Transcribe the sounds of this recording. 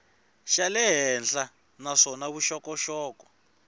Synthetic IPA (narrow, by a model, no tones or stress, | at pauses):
ʃalɛɦɛnd͡ɮa | naʂɔnaβuʃɔkɔʃɔːkɔ̥